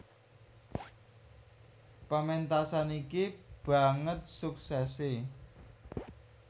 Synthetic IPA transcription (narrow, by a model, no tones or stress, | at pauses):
pəment̪asanikib̥a̤ŋət̪̚suksɛse